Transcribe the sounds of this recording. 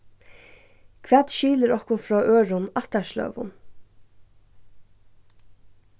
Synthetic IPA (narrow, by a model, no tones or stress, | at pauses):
kʰv̥ʋæːt̪ʃiːləɾɔhkʊnfɾɔːʔøːɹʊnɑht̪aʃlœ̰ːʋʊ̰n